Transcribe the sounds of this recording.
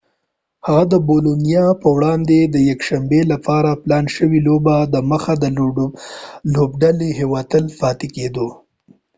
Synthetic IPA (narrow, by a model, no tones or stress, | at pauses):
haɣad̪əbolonijɑpəwɽɑnd̪ed̪əjakʃambelapɑɾaplɑnʃəwilobad̪əməxad̪ə | lobɖaleɦewɑt̪əlfɑt̪eked̪o